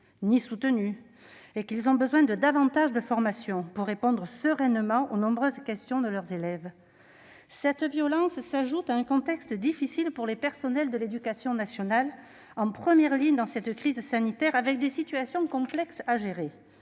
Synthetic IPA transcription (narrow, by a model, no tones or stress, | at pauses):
nisut̪əny | ekilzɔ̃bəzwɛ̃d̪əd̪avɑ̃t̪aʒd̪əfɔʁmasjɔ̃puʁːepɔ̃d̪ʁəsəʁɛnmɑ̃ʔonɔ̃bʁøzkʲɛst̪jɔ̃d̪əlœʁzelɛv | sɛt̪vjɔlɑ̃ssaʒut̪aɛ̃kɔ̃t̪ɛkst̪d̪ifisilpuʁlepɛʁsɔnɛld̪əled̪ykasjɔ̃nasjɔnal | ɑ̃pχəmjɛʁliɲəd̪ɑ̃sɛt̪kχizsanit̪ɛʁavɛk̚d̪esit̪yasjɔ̃kɔ̃plɛksaʒeʁe